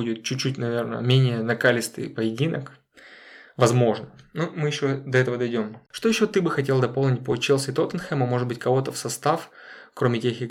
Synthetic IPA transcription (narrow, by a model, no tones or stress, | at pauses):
udʲɪt̪̚t͡ɕʊt͡ɕːutʲnɐvʲe̞rnə̰mʲenʲɪjənɐkalʲɪst̪ɨ̰jpəjɪdʲinək | vɐzmo̞ʐnənumɨjɪɕːod̪ɐɛt̪əvəd̪ɐjdʲo̞mʂt̪ojɪɕːot̪ɨbɨxɐtʲe̞lˠd̪ɐpolˠnʲɪt̚ʲpət͡ɕelˠsʲɪt̪ot̪ənxɛmɐmo̞ʐɨd̪bɨtʲkɐvo̞t̪əfsɐst̪af | kɾo̞mʲɪtʲexɪ